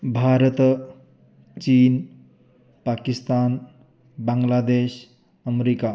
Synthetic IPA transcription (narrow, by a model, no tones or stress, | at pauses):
bʱaɾət̪ | t͡ɕiːn | pakist̪an | baŋɡlad̪eɕ | əmeɾika